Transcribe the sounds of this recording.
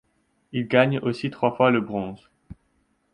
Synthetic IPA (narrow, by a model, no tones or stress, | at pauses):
ilɡaɲosit̪χwafwaləbʁɔ̃z